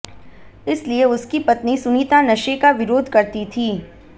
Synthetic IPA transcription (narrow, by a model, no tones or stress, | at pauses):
ɪslieʊskipɐt̪nisʊniːt̪anɐʃekaʋɪɾoːd̪ʱkɐɾt̪it̪ʰiː